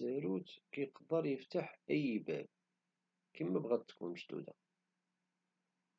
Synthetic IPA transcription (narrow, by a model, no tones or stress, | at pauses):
əɾut͡skjəqd̪ˤəɾˤjəft̪aħæjibæ̰v | kimːæbʁæd̪̚t̪kːṵmʃt̪ṵd̪æ̰